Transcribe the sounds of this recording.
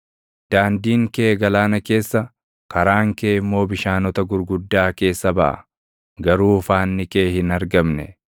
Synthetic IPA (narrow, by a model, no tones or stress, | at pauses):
d̪̥aːnd̪iːŋkeːɡɐlaːnɐke̞ːsːɐ | kɐɾaːŋkeːɪmːo̞ːbɪʃaːnɔt̪ɐɡʊɾɡʊd̪ːaːke̞ːsːɐbɐ̰ʔɐ̰ | ɡɐɾuːʊfaːnːɪkeːhɪnɐɾɡɐmnɛ